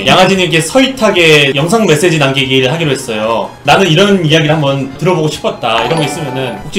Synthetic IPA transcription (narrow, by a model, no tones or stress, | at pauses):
jaŋɦad͡ʑinike̞sʰʌitʰaɡe̞jʌŋsʰaŋme̞s͈e̞d͡ʑinanɡiɡiɾɯɭɦaɡiɾoɦe̞s͈ʌjo | nanɯniɾʌnijaɡiɾɯɭhambʌntɯɾʌboɡoɕʰi̥pʰʌt̚t͈aiɾʌŋɡʌis͈ɯmjʌnɯnukt͡ɕ͈i